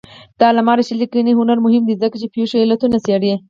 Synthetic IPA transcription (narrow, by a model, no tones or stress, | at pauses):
t̪ɑlamɑɾaʃilikiniɦʊnaɾmʊɦɪmd̪izəkat͡ʃepjuʃoɪlat̪unaseaɽje